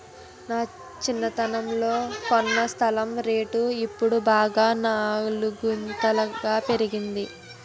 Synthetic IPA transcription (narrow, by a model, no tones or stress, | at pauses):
naː | t͡ʃinːɐt̪ɐnɐmlo̞ːkonːɐst̪ʰɐlɐmɾe̞ːʈuipːuɽubaːɡaːnaluɡunt̪ɐlɐɡaːpe̞ɾiɡind̪i